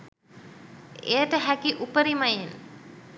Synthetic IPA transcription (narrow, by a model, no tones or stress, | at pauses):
ejəʈəɦækiʔupəɾimajen